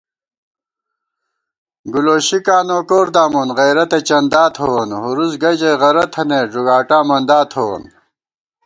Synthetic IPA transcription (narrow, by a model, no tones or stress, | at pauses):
ɡuloːɕikaːnoːkoːɾd̪aːmonʁɐjɾɐt̪et͡ɕɐnd̪aːt̪ʰhowɐnɦuɾuzɡɐd͡ʑeʁɐɾɐt̪ʰɐneːʐuɡaːʈaːmɐnd̪aːt̪ʰowo̰n